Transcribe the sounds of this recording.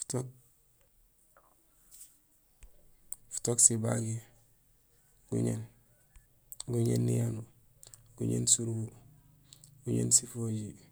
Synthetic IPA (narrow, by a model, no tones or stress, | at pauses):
fu̥tok̚ | fu̥toksiba̰ɡi | ɡ̥ṵɲḛn | ɡuɲḛnːijanu | ɡ̥uɲḛnsuɾɡu | ɡuɲḛnsifoɟi